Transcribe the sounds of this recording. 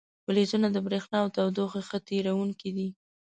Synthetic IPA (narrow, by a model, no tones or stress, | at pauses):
wəlezunad̪əbɾexnɑwt̪awd̪oxexət̪eɾawuŋkid̪i